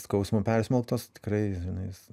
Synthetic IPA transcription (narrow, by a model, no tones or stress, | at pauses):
skɐʊsmopʲɛɾʲsʲmʲɛlˠkt̪oːst̪ʲɪ̥krɐɪʒʲɪnɐɪs